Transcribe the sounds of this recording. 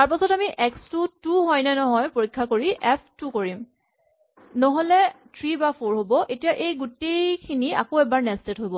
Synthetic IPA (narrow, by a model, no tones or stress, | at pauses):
taɹpasɔtamiʔɛkstutuɦɔjnɛnɔɦɔjpoɹikʰːakoɹiʔɛpʰtukoɹim | nɔɦolɛtʰɹibapʰoɹɦobɔʔetijaʔejɡutejkʰinia̰koɛbaɹnɛstetɦojbɔ